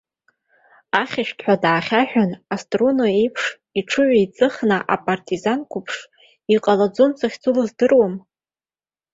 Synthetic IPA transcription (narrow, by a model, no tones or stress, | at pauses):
aχʲaʃᶣtʰʼħʷᶣadaːχʲaħᶣanastʼrunoipʰʂ | iʈ͡ʂʰɨʕʷait͡sʼɨχnaʔa̰pʼartʼizankʷʰʊpʰʂ | iqʼalad͡zont͡sʰaχʲt͡sʰʼulɨzdɨrwam